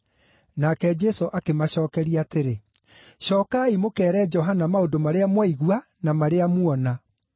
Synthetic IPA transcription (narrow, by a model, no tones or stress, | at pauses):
nakɛd͡ʒɛsoʔakemaɕɔːkɛɾiateɾe | ɕɔːkaimokɛːɾɛd͡ʒɔɦanamaodomaɾeamwaiɣwa | namaɾeamwɔna